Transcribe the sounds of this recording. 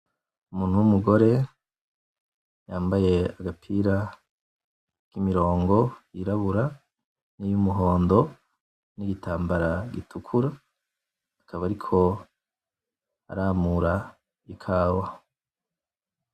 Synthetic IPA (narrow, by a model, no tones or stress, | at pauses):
umuːn̥uwumuɡo̞ɾe̞ | jaːmbaje̞aɡapʰiːɾa | kimiɾo̞ːŋɡo̞jiɾaβuɾa | nijumuɦo̞ːndo̞ | niɡitaːmbaɾaɡitukʰuɾaː | kʰaβaɾikʰo̞ | a̰ɾaːmuɾa | ikʰaːwa